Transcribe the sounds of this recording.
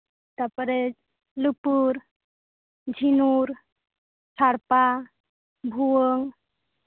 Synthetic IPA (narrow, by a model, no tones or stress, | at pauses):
t̪apɾed͡ʒ | lɯpuɾ | d͡ʒʱinuɾ | saɾpa | bʱuwəŋ